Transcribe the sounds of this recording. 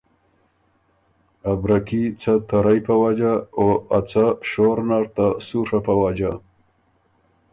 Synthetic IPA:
abɾakit͡sʰat̪aɾajpawad͡ʒaoat͡saʂoɾnaɾt̪asuʂapawad͡ʒa

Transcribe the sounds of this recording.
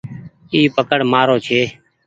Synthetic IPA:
iːpəkəɽmaːɾoːt͡ʃʰeː

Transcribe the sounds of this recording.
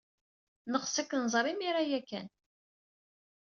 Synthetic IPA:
nəʁsækːənzˤɾˤimiɾajækːæ̰n

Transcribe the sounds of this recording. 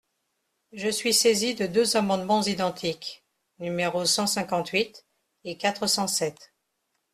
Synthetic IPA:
ʒəsɥisezid̪əd̪øzamɑ̃d̪mɑ̃zid̪ɑ̃t̪ʰik | nymeʁosɑ̃sɛ̃kɑ̃t̪ɥit̪ | ekat̪χəsɑ̃sɛt̪

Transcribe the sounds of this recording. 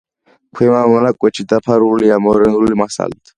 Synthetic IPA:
kʰɛmamɔnakʼwet͡ʃʰit̪apʰaɾuulijamɔɾɛnɾulimasa̰lt̪ʰḁ

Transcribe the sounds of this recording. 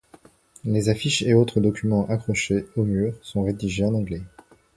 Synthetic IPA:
lezafiʃeot̪χəd̪ɔkʲymɑ̃ʔakχɔʃeomyːʁsɔ̃ʁed̪iʒeɑ̃nɑ̃ɡlɛ

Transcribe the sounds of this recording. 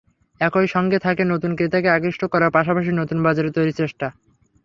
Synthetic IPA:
ɛkojʃɔŋɡet̪ʰakenot̪unkɾet̪akeaɡɾiʃʈʰokɔɾaɾpaʃ̬apaʃ̬inot̪unbad͡ʑaɾeɾt̪ojɾit͡ɕeʃʈa

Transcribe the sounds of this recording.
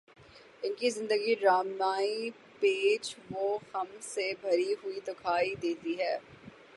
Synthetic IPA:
ɪnkizɪ̃nd̪əɡiɾaːmnaːi | peːd͡ʒʋoxɐmsebʱɐɾiɦʊid̪ʊkʰaːid̪eːt̪iɦɛː

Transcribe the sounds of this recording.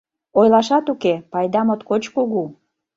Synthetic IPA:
ojlɑʃɑt̪ukepɑjd̪ɑmot̪kot͡ɕkuɣu

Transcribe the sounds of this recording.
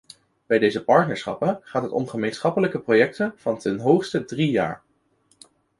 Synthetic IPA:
b̥ɛjdejzəpɑɹtnəɹsχɑ̰pəχaːtɦətɔ̰mχəmejnsχɑpələkəprojɛk̚tənv̥ɑntɛnɦowχstədrija̰ːɹ

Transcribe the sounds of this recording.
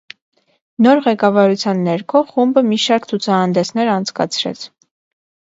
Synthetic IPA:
nɔɾʁɛkɑvɑɾut͡sʰjɑnːɛɾkʰɔχumbəmiʃɑɾkt͡sʰut͡sʰɑhɑnd̪ɛsnɛɾɑnt͡sʰkɑ̰t͡sʰɾɛ̰t͡sʰ

